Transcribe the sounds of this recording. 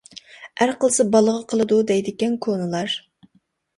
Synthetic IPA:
æɾqʰəlˠsɨbɑlˠəʁəqʰəlˠɨd̪ud̪ɛjd̪ɪkʲɛnkʰonɨlˠɑɾ

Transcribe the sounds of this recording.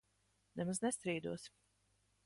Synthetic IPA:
nɛmaznɛst̪ɾiːd̪uɔsm

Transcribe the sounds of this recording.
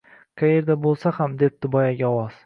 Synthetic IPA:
qʰaje̞ɾd̪abolˠsahamd̪e̞p̚d̪̥ʊbɒjaɡʲaɒwɒz̥

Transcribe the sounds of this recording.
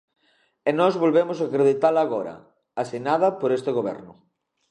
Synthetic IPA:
enɔzβolβemʊs̬akɾeðit̪alaːɣoɾɐ̰ | asinað̞ɐpoɾest̪eɣoβɛ̰ɾnʊ

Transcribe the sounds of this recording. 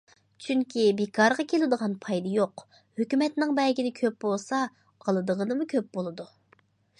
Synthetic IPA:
t͡ʃʰyŋkʲʰibekʰɑɾəʁɑkʲʰelɪd̪əʁɑnpʰɑjd̪ɑjoq | høkʲymɛt̪nɪŋbɛlɡʲinɪkʲʰøp̚bolˠsɑ | ɑlˠɨd̪əʁənɨmukʲʰøp̚bolˠɨd̪u

